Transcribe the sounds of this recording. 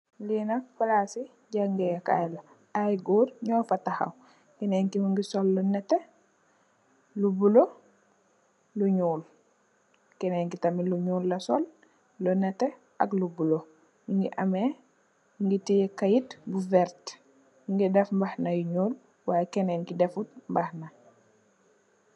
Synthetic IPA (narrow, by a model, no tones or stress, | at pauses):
linak̚falasi | ɟaŋɡɛjka̰jla | ajɡoːɾɲɔːfataha̰w | kɛneŋkimuŋɡisɔlːunɛte | lubulo | luɲuːl | kɛnɛŋkitɐmiluɲuːlːɐsɔlː | ɔnɛte | ʔaklubulo | uŋɡḭʔame | ŋɡitijekajitbuvɛɾt | uŋɡidɛfmbahnajuɲuːl | wajɛkɛneŋkidɛfut̚mbahna